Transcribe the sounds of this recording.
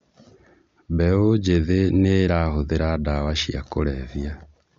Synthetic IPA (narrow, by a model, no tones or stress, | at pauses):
bɛod͡ʒeðeneɾahoðeɾadawaʃia̰koɾɛvja